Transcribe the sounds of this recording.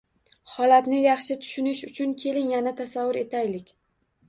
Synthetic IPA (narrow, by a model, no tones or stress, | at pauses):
hɒlat̪nɪjɑχʃɪt̪ʰʊ̥ʃʊnɪʃʊt͡ʃʰʊnkʲʰe̞lɪŋjanat̪ʰasavːʊɾe̞t̪ʰajlɪkʲ